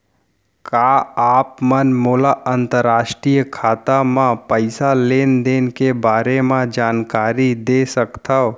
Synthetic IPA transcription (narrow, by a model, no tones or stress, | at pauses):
kaːaːpmənmuːlaʔənt̪əɾaːʃʈɾiːjkʰaːt̪amãpəɪsaleːnd̪eːnkebaːɾemãd͡ʒaːnkaːɾid̪esəkt̪ʰəo